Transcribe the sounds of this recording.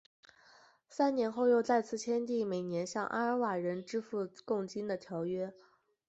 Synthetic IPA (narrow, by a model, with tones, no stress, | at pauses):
sa˥nnjɛ˧˥nxo˥˧ʊjo˥˧ʊt͡sa˥˧ɪt͡sʰɹ̩˥˩t͡ɕʰjɛ˥nt̪̬i˥˩me˨˩ɪnjɛ˧˥nɕjɑ˥˩ŋʔa̰˥ə˧˥wa˨˩ɻə˧˥nʈ͡ʂɻ̩˥fu˥˧kʊ˥˩ŋt͡ɕi˥nd̪ə˨t̪ʰjɑ˧˥ʊɥɛ˥